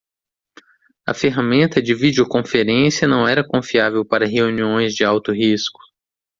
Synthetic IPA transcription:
ɐ̰feɦamẽnt̪ɐd͡ʒɪvid͡ʒiokõfeɾẽsijɐnɐ̃w̃ɛɾɐkõfiavewpaɾɐɦeuniõj̃zd͡ʒɪawt̪ʊɦiskʊ̥

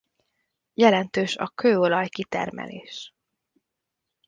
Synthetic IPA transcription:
jɛlɛnt̪øːʃɒ̰køːolɒjkit̪ɛ̰rmɛ̰leːʃ

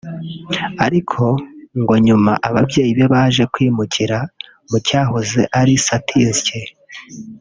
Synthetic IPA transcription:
aɾikʰo̞ŋɡo̞ɲuma̰ʔaβabɟje̞ːjiβe̞βaːʒe̞kwiːmucʰiɾa | mucaːɦozeʔaɾisatʰizce

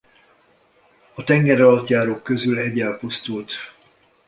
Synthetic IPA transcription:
ɒt̪ɛŋɡɛɾɒlɒt̪jaːɾoːkːø̞zylɛɟːɛlpust̪ult̪

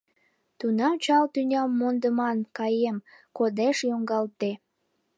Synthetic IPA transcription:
t̪unɑmt͡ɕɑlt̪ynʲɑmːond̪əmɑnkɑjemkod̪eʃjoŋɡɑlt̪e

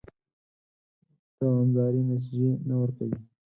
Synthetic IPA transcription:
t̪awand̪ɑɾimas̬ʒenawəɾkawi

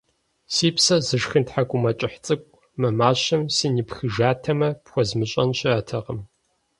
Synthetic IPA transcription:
siːpsɐzɨʒxɨntħakʷʼʊmɐt͡ʃʼɪħt͡sʼɨkʷʼ | mɐmaːɕɐmsiːnipxɨʒaːtʰɐmɐpxʷɔzmɨɕʼɐnɕʼɪatʰɐʁɐm

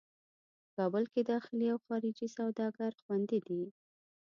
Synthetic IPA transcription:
əkɑbʊlked̪ɑxɪliawxɑɾɪd͡ʒisawd̪ɑɡaɾxwand̪id̪i

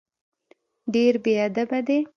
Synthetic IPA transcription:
ɖeɾbead̪abad̪e

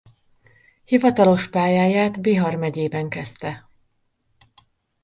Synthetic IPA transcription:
hivɒt̪ɒlo̞ʃpaːjaːjaːt̪biɦɒrmɛɟeːbɛŋkɛst̪ɛ

